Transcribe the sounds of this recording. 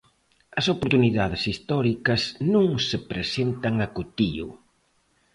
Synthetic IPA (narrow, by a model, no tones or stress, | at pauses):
ɐsopoɾt̪uniðaðɪsist̪ɔɾikɐsnũŋsepɾesent̪ɐŋɐkut̪iʊ̰